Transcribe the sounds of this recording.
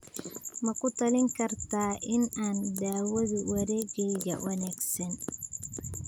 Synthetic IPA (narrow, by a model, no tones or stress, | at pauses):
mɐkʊt̪ɐlɪŋkɐɾt̪aːʔɪnandaːwɔðiwɐɾɛɡɛjɡɐ̰wɐnɛksɛn